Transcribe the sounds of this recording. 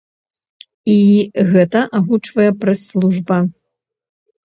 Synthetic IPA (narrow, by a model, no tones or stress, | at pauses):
iɣɛt̪ɐʔaɣut͡ʂvɐjɛpɾɐslˠuʐbɐ